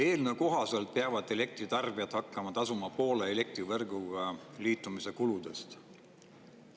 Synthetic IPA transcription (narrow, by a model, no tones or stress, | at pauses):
e̞ːlneko̞ɦɑselt̪̚peɑvɑd̪ele̞k̚t̪rit̪ɑrb̥iɑt̪hɑkːɑmɑt̪ɑsumɑpo̞ːleːle̞k̚t̪rivɤrɡuɡ̥ɑliːt̪ˑːumise̞kulud̪̥e̞st̪